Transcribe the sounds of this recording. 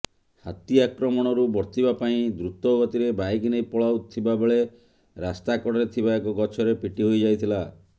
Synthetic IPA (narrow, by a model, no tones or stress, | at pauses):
hat̪iakɾɔmɔɽ̃ɔɾubɔɾt̪ʰibapaĩd̪ɾut̪ɔɡɔt̪iɾebajɡinejpɔɭawt̪ʰibabeɭe | ɾast̪akɔɽɔɾet̪ʰibaekɔɡɔt͡ʃʰɔɾepiʈiɦojd͡ʒajt̪ʰila